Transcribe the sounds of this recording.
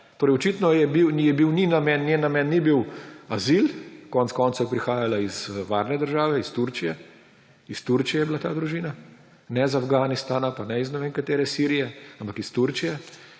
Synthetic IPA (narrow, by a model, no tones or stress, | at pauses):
t̪oːɾɛɪjɔt͡ʃiːt̪nɔjɛbiwjɛbiwninamɛnːjenːamɛnːibiwazilkɔnt̪skɔːnt̪sojɛpɾixaːjalaizʋaːɾnɛd̪əɾʒaːʋɛist̪uɾt͡ʃijɛ | ist̪uɾt͡ʃijɛjɛbilat̪aːd̪ɾuʒiːna | nɛzafɡaːnist̪aːnapanɛiznɛʋeːnkat̪eːɾɛsiːɾijɛampakist̪uɾt͡ʃijɛ